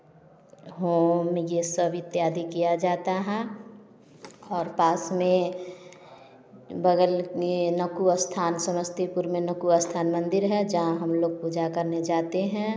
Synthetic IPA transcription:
ɦoːmjesəbɪt̪jaːd̪ikijad͡ʒaːt̪aɦɛ̃ | ɔːɾpaːsmẽ | bəɡəlkenəkuəst̪ʰaːnsəməd͡ʒt̪ipuɾmenəkuəst̪ʰaːnmə̃nd̪ɪɾɦɛd͡ʒəɦãɦəmloːɡ̚pud͡ʒakəɾned͡ʒaːt̪eɦɛ̃

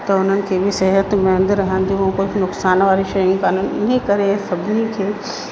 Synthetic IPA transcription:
t̪ɐʊn̤ənɪ̆kʰeːbʱɪsɐɦɦət̪mɐə̃nd̪ɾɐɦə̃nd̪ĩkʊt͡ʃnʊksaːnʋaːɾiʃɐjũkaːnuːnɪ̰nekɐɾesɐbʱɪnikʰeː

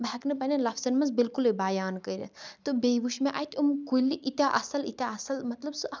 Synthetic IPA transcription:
bʱɐknɨpɐnʲɐlɐfʰsɐnmɐnzbilkulebaːjaːnkəɾʲɐ̰t̪ɨbeʋuʃmẽʔa̰ːjt̪ʰʲumkuliʔit̪ʲaʔɐsɐlit̪ʲaɐsɐlmɐt̪lɐbsɨɐ

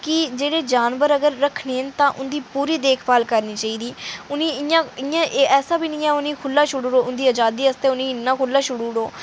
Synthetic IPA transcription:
kɪd͡ʒeːɽeːd͡ʒaːnʋəɾəɡəɾːəkʰneːnt̪ãːʔʊnd̪iːpuːɾiːd̪eːkʰbaːlkəɾniːt͡ʃaːiːd̪iːʊnĩːɪjãːɪjãːʔeːɛːsaːbiːnĩːɛːʊnĩːkʰʊlːaːʃʊɽuːɽoːʊnd̪iːəd͡ʒaːd̪iːəst̪eːʊnĩːɪnːãːkʰʊlːãːʃʊɽuːɽoː

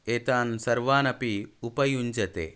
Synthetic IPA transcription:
et̪aːnsɐɾʋaːnɐpiupɐjuɲd͡ʒɐt̪ḛ

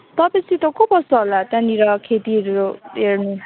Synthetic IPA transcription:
t̪ʌpʌ̃t͡sʰit̪ʌkobʌsʌɦolat̪jãniɾʌkʰet̪iɦʌɾuoɦernu

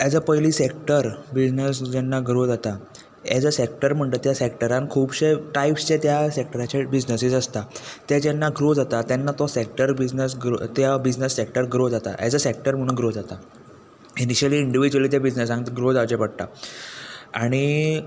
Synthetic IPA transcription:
ad͡zəpəjliːsek̚ʈəɾbid͡znəsd͡ʑɛnːaɡɾod͡zat̪a | ja̰d͡zəsek̚ʈəɾm̤əɳt̪ət̪jasek̚ʈəɾankʰuːbɕeʈaipst͡ɕet̪jasek̚ʈəɾat͡ɕebid͡znəsid͡zəst̪at̪jad͡ʑɛnːaɡɾod͡zat̪at̪janːat̪ɔsekʈəɾbid͡znəsɡɾot̪jabid͡znəsːek̚ʈəɾɡɾod͡zat̪a̰ja̰d͡zəsek̚ʈəɾm̤əɽ̃uːnɡɾod͡zat̪a | iniɕəliːɳɖiʋid͡ʑuəlit̪jabid͡ʑnəsãit̪ɡɾod͡zaʋt͡ɕepəɽ̚t̪a̰ | aɽ̃i

